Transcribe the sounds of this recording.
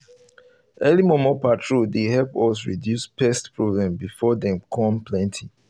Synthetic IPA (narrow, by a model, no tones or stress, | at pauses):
ʔɛlimɔmɔpatʰɹudehɛlpɔs̬ɹḭdjuspʰɛstpɹɔblɛ̃mbifɔdɛ̃mkʰɔ̃mpʰlɛ̃ntʰi